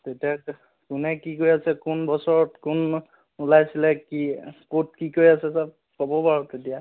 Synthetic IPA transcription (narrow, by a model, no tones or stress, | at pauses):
tetia | kʊnɛkikoɹjasɛkʊnbɔsɔɹɔtkun | ulajsilɛkikot̚kikoɹiasɛsap̚ | kobɔpaɹɔtetija